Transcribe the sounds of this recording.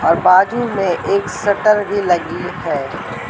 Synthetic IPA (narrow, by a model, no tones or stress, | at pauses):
ɔːɾbaːd͡ʒumẽʔeːksɐʈəɾbʱilɐɡiɦɛː